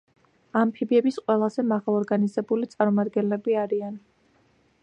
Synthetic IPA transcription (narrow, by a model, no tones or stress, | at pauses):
ampʰibiɛbisqʼwɛlˠazɛmaʁaɔɾɡanizɛbulit̪sʼaɾmɔmad̪ɡɛnlɛbiaɾian